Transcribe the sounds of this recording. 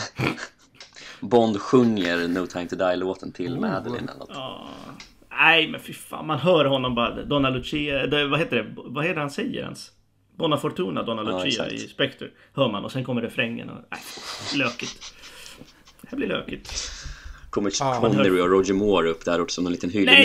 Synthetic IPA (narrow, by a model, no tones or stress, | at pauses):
bɔnd̪ɧɵŋːəɾnuːɡt̪ʰaːɪnt̪əd̪ajloːt̪ənt̪ʰɪlmɛd̪ɪ̰nɛ̰la̰ɑ̰ː | æɪmɛnfɪfa̰ːnmanɦœːɾɦɔnːɔmbɑɾad̪ɔnalʊt͡ʃid̪ɛvaɦeːt̪əɖɛvaheːt̪əɾhansɛjːə̰ɾɛ̰ns | bɔnːafɔɾʈ̪uːnad̪ɔnalʊiːa̰ɪ̰spɛkt̪ə | hœːɾmanɔsɛnkʰɔmːəɖɛfɾɛŋːə̰nɔ̰æ̰jløːkɪt̪ | hæblɪlø̰ːkɪt̪ | kʰɔmːəkʰɔnːɛɾɪɔɾɔd͡ʒəmoːɾɵpːd̪ɛhæɾɔːʈːəsɔmnɛniːt̪ənɦyːlɛ